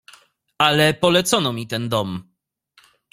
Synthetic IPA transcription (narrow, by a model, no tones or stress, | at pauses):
alɛpɔlɛt̪sɔnɔmʲit̪ɛnd̪ɔm